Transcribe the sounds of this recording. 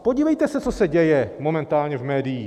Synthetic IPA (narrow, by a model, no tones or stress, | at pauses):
po̞ɟiːvɛjt̪ɛsɛt͡sosɛɟɛjɛmo̞mɛnt̪aːlɲɛvmɛːdɪjiː